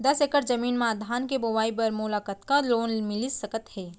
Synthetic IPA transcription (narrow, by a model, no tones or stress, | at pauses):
d̪ɐsekəɾd͡ʒɐmiːnmãːd̪ʱaːnkeboʋaːipɐɾmulaːkət̪kaloːnmɪlisɐkət̪hɛː